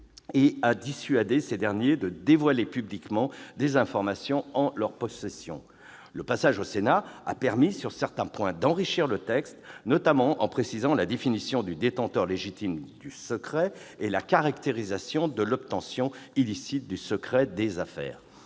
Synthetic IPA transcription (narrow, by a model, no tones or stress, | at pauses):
ead̪isɥad̪esed̪ɛʁnjed̪əd̪evwalepyblikmɑ̃d̪ezɛ̃fɔʁmasjɔ̃ɑ̃lœʁpɔsɛsjɔ̰̃ | ləpasaʒosenaa̰pɛʁmisyʁsɛʁt̪ɛ̃pwɛ̃d̪ɑ̃ʁiʃiʁlət̪ɛkst̪nɔt̪amɑ̃ʔɑ̰̃pχesizɑ̃lad̪efinisjɔ̃d̪yd̪et̪ɑ̃t̪œʁleʒit̪ʰimd̪ysəkχɛelakaʁakt̪eʁizasjɔ̃d̪əlɔp̚t̪ɑ̃sjɔ̃ilisit̪̚d̪ysəkχɛd̪ezafɛ̰ːʁ